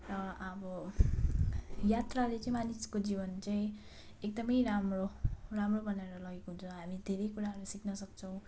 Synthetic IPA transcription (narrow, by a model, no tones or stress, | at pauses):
rʌʌbʌ | jat̪ralet͡sãĩmaniskod͡zibʌnt͡saĩ | ek̚d̪ʌmʌjɾamroramrobʱʌnaɾʌlʌɡekoɦunt͡sʰʌɦamid̪ʱeɾʌjkuɾaɦʌɾusiknʌsʌk̚t͡sʰʌw̃